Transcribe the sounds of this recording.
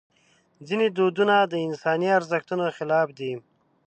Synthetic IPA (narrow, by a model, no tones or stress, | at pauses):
d͡zined̪od̪unad̪əɪnsɑniaɾzəxt̪unoxɪlɑfd̪i